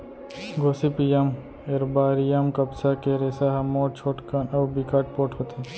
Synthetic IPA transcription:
ɡoːsipijam | eɾbaːɾijamkɐbsakeɾeːsaɦmoːʈ̚t͡ʃʰoːʈkənɐbbikaːʈpoːʈʰɦoːt̪ʰe

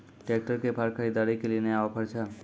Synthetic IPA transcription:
ʈek̚ʈəɾkepʰaɾkʰəɾid̪aɾikeleneaʋapəɾt͡ʃʰa

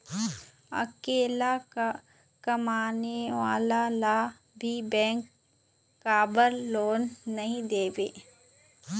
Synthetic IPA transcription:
ɐ̰keːlaa | kɐmaːneʋa̰ːlala | bʱibɛ̃ːŋkː | aːbəɾloːnːɐɦĩd̪eːʋḛː

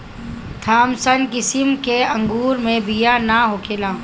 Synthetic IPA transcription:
t̪ʰaːmsənkɪsɪmkeɐ̃ŋɡuːɾmẽbijanaɦoːkʰeːlãː

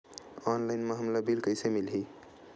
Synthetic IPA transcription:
ɔnlaɪnmeɦəmlabilkəɪsemilɦi

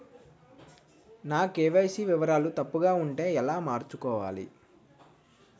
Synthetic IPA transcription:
naːkeːʋɐjsiʋiʋɐɾaːlut̪ɐpːuɡaːuɳʈe̞ːɛlaːmaːɾt͡ʃukɔːʋaːlḭ

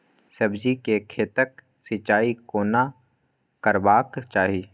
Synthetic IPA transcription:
sɐbd͡ʒikekʰeːt̪ək̚ | sɪt͡ʃaːikoːna | kəɾbaːkt͡ʃaːɦiː

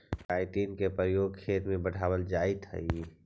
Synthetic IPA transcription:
kaɪt̪iːnkepəɾəjoːɡ̚kʰeːt̪mẽbəɽ̤ʱawəld͡ʒaɪt̪ɦə̰i

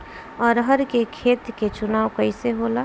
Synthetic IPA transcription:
ɔːɾɦəɾkekʰeːt̪ket͡ʃʊnaːwkəɪseɦola

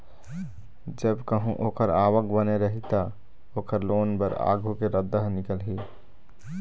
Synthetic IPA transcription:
d͡ʒəbkəɦũʔoːkəɾaːʋəkbəneɾəɦit̪a | oːkəɾloːnbəɾa̰ːɡʱukeɾəd̪ːəɦnɪkəlɦi

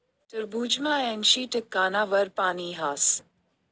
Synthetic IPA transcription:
t̪əɾbuːd͡ʒmãːɛnʃiːʈəkːaːnaːʋɐɾpaːniɦaːs

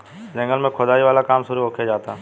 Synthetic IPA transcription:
d͡ʒɐ̃ŋɡəlmẽkʰod̪aːiʋaːlakaːmʃʊɾuɦokʰed͡ʒaːt̪aɦ

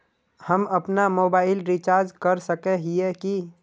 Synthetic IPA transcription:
həmɐpnamoːbaːɪlɾit͡ʃaːɾd͡ʒkəɾsəkeɦieki

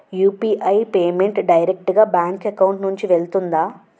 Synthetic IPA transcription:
juːpiːʔɐjpeːme̞ɳʈɖɐjɾek̚ʈɡaːbaːŋkekɐwɳʈnuɲt͡ʃiʋe̞lt̪und̪aː

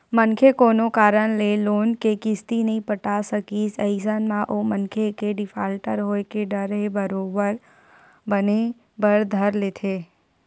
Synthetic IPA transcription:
mənkʰekoːnokaːɾənleloːnkekɪst̪inəɦĩpəʈasəkisəɪsənmãʔomənkʰekeɖɪfʰaːlʈəɾɦoːekeɖəɾɦebəɾoːbəɾ | bəne | bəɾd̪ʱəɾleːt̪ʰe

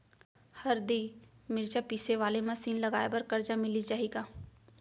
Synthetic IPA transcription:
hɐɾd̪iːmɪɾt͡ʃapiːseʋaːlemasiːnlɐɡaːebɐɾkɐɾd͡ʒamɪlit͡ʃaːɦiːɡaː

